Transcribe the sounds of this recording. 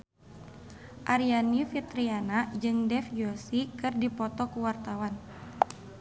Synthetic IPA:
ʔaɾianifit̪ɾianad͡ʒɨŋdɛfjosikɨrdipɔt̪ɔkuwart̪awan

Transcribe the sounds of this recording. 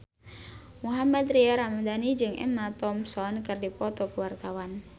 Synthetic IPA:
muɦamat̪riaɾamad̪anid͡ʒɨŋɛ̰mat̪ɔmsɔnkɨrdipɔt̪ɔkəwart̪awan

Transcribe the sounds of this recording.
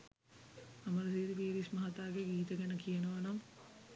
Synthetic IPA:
ɐmɐɾɐsiːɾibiːɾismɐɦɐt̪aːɡeɡiːt̪əɡenəkijənəʋɐnɐm

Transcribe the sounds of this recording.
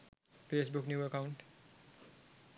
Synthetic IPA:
feːsbʊknjuːəkaʊɳʈ

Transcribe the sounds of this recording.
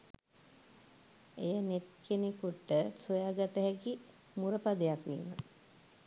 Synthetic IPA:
ejənet̪̚kʰenekuʈːəsojaːɡat̪əɦɛki | muɾəpad̪əjakʋḭːmə̰

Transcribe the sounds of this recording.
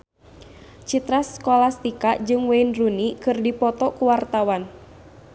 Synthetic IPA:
t͡ʃit̪ɾaskolast̪ikaʔd͡ʒɨŋweinrunikɨrdipɔt̪ɔkuwart̪awan

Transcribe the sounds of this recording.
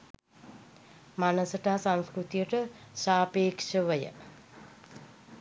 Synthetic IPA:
manəsəʈaːsãŋskɾut̪ijəʈəʃaːpeːkʂəʋəjə̰

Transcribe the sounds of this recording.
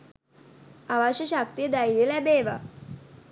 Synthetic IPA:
aʋaɕəɕakt̪ijəd̪ailelabeʋa

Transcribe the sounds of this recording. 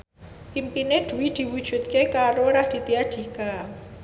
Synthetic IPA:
pimpined̪̥ṳwid̪̥i̤wud̥ʒ̥ṳt̪̚kekaɾoɾahd̪̥i̤t̪iad̪̥i̤ka

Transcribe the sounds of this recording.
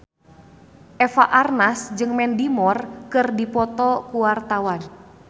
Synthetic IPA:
ʔɛfaʔarnasd͡ʒɨŋmɛndimɔrkɨrdipɔt̪ɔkuwart̪awan

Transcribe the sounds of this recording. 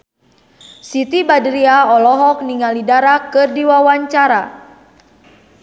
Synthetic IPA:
sit̪ibadɾiaɔlɔɦɔk̚niŋalidaɾakɨrdiwawaɲt͡ʃaɾa

